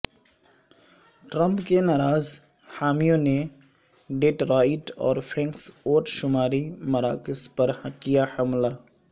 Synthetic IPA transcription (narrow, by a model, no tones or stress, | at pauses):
ʈɾə̃mpkenaːɾaːz | haːmijõne | ɖeːʈɾaːɪʈɔ̰ːɾpʰẽːŋksoːʈʃʊmaːɾimɐɾaːkɪspɐɾkijahəmlaː